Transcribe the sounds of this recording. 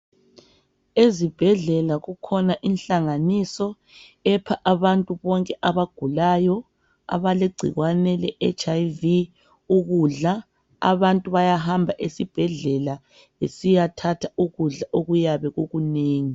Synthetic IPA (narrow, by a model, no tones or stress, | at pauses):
ezib̥ʱɛɮɛlaɣukʰɔnaʔinɬaŋanisɔ | ɛpʰaʔaβantʼuβɔŋkʼɛʔaβaɡ̥ʱulajɔ | a̰βaleɡ͡ǀʱḭɣwanɛlɛʔɛt͡ʃʼajvi | uɣuɮa | a̰βantʼuβajaɦambʱaʔesib̥ʱɛɮɛla | esijatʰatʰauɣuɮaʔoɣujaβɛɣuɣuneːŋi